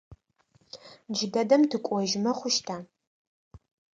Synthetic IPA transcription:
d͡ʒɪdɐdɐmtʰɨkʷʼɔʒɪmɐχʷʊʃtʰaː

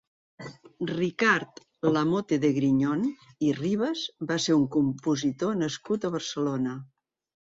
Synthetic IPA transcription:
rikaɾt̪ | ləmot̪eðəɣɾiɲon | iriβəzbaseɾuŋkumpuzit̪onəskut̪əβəɾsəlonə

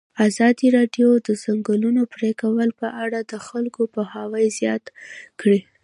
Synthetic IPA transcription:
azɑd̪iɾɑɖjod̪əzaŋɡəlunopɾekawəlpəʔaɽad̪əxalkopəhɑwəjzjɑt̪kɽi

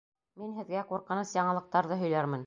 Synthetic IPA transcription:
minɦɘ̆ðɡæquɾqɤ̆nɤsjɑɴɤ̆lˠɤ̆q̚t̪ɑɾðɤɦɵ̆jlæɾmɘ̆n

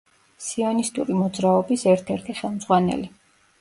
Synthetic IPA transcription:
siɔnist̪ʼuɾimɔd̪zɾaɔbisɛɾt̪ʰɛɾt̪ʰiχɛlˠmzʁwanɛ̰li

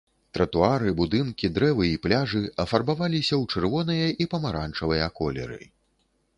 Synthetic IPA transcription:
t̪ɾɐt̪uaɾɨbud̪ɨnkʲid̪ɾɛvɨiplʲaʐɨɐfarbavalʲisʲɐwt͡ʂɛrvɔn̪ɨjɐʔipɐmaɾant͡ʂɐvɨjɐkɔlʲɛ̰ɾɨ̰

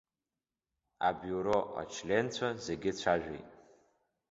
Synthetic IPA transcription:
a̰bjuɾo̞ʔa̰t͡ʃʰlʲe̞nt͡ɕʷʰaze̞ɡʲɪt͡ɕʷʰaʒᶣḛjtʼ

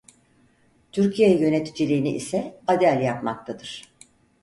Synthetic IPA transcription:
t̪ʰyɾcʰijejjø̞ne̞t̪ʰid͡ʒilʲiːniʔḭsɛad̪ælʲjapma̰k̚t̪ʰad̪ɯɾ̥

